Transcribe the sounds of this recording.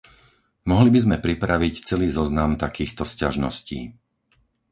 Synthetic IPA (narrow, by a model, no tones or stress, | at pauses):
mɔɦlibizmɛpɾipɾaʋict͡sɛliːzɔznamt̪akiːxt̪ɔscaʒnɔ̰scḭː